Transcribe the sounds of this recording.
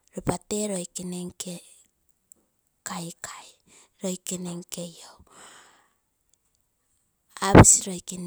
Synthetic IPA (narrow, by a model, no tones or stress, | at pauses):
ɾopateɾo̞jkineŋke | kajkʰaj | ɾo̞jkeneŋke̞jow | abisiɾojkin